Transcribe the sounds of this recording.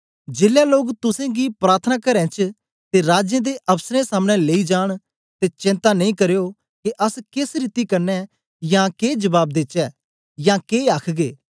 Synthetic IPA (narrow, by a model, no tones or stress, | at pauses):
d͡ʒeːljaːloːɡt̪ʊsẽːɡiːpɾaːɾt̪ʰənaːkɐɾɛ̃ːt͡ʃ | t̪eɾaːd͡ʒjẽːd̪eʔɐbsɾẽsaːmɽ̃ɛ̃leːid͡ʒaːɽ̃ | t̪eːt͡ʃɪ̃nt̪anə̃ĩːkɐɾjoː | keʔɐskɪsɾɪt̪ikɐɾnɛ | jãːkeːd͡ʒəbaːb̚d̪ɪtt͡ʃɛː | jãːkeːaːkʰɡeː